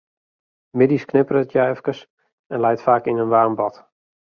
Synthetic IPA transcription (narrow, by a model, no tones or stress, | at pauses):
mɪdisknɪpərətjɛjfkəs | ɛnlɛjtfaːkɪnənʋaːmbɔt